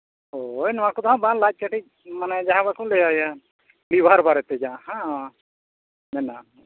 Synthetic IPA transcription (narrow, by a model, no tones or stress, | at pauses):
ojnɔwãkɔd̪ɔɦãbanlac̚ˀt͡ʃaʈic̚manɛd͡ʒaɦãbakũlɛjaja | libʱaɾbaɾɛt̪ɛd͡ʒaʔahãa | nɛna